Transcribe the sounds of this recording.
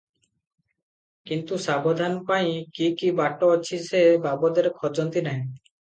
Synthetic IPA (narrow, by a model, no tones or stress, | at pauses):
kint̪usabod̪ʱanpaj̃kikibaʈːoːt͡ɕʰisebabod̪eɾkʰɔd͡ʑɔnt̪inaɦẽ